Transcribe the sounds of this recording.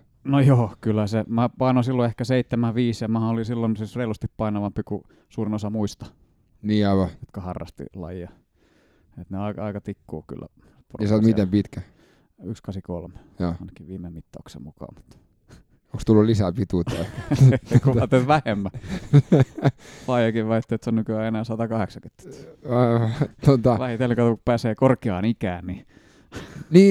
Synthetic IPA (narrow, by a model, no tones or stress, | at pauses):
nojoːkylːæsemæpɑinosilːoehkæseit̪ːemæʋiːsjɑmæhæolisilːonsisreilust̪ippɑinɑʋɑmpiku | suːrinosɑmuist̪ɑ̥ | niːɑiʋɑjot̪kɑhɑrːɑ̰st̪ḭlɑ̰jɑ | et̪neɑikɑikɑt̪ikːṵːky̰lːæ̰ | prsɑt̪mit̪empit̪kæ | y̰kskɑsiko̰lme | joːɑˑinɑkiʋiːmemit̪ːo̰ˑːksḛmukɑ̰ːmut̪ː | oŋkst̪ulːullisæpit̪ut̪ɑiekuɑt̪ːet̪ʋæhemːæ | pɑijɑkiʋʋæit̪ːeːt̪sonnykyæːenæːsɑt̪ɑkɑheksɑkyt̪ːy̥ | t̪ot̪ɑlæhit̪elːikɑt̪uku̥pæːseːkorkiɑːnikæːnni | niː